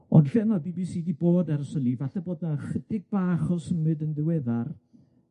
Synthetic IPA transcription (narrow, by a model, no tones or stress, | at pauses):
ɔnɬɛnɔbiːbisiːdiboːdaɾəsənivaɬaboːdnaχədɪɡ̚baːχɔsəmɨdənðɪwɛðar